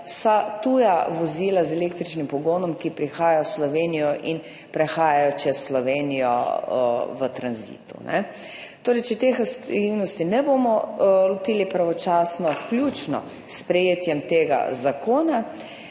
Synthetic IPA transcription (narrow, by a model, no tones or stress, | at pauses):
wsat̪uːjaʋɔziːlazɛleːk̚t̪ɾit͡ʃnimpɔɡoːnɔmkipɾixaːjajɔwslɔʋeːnijɔʔin | pɾɛxaːjajɔt͡ʃɛsːlɔʋenijɔ̰ | ʋət̪ɾanzḭːt̪ṵnɛ̰ | t̪oːɾɛjt͡ʃɛt̪exsiwnɔst̪inɛbomɔlɔt̪iːlipɾaʋɔt͡ʃaːsnɔklʲjut͡ʃnɔ̰ | spɾɛjeːt̪jɛmt̪eːɡa̰zakoːna